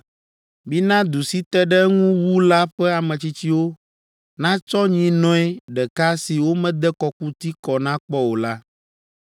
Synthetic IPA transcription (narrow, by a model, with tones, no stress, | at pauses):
bi˦nã˦d̪u˨si˦t̪ɛ˦ɖɛ˦ŋũ˦wu˦la˦ɸɛ˦a˨mɛ̃˨t͡ɕi˦t͡ɕi˦wo˦ | nã˦t͡ʃɔ˦ɲĩ˦nɔ̃˦ɛ˦ɖɛ˨ka˦si˨wo˦mɛ̃˦d̪ɛ˦kɔ˨ku˦t̪i˦kɔ˨nã˦k͡pɔ˦wo˨la˦